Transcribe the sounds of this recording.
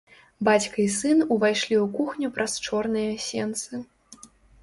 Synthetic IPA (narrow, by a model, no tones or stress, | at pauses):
bat͡sʲkɐisɨnuvajʂlʲiukuxnʲupɾʔɐst͡ʂɔrnɨjɐsʲɛnt̪sɨ